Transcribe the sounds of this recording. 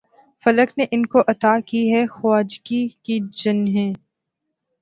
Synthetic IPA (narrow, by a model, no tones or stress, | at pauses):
fɐləkneʔɪnkoʔɐt̪aːkiɦɛxwaːd͡ʒkikid͡ʒɐnɦɛ̃ː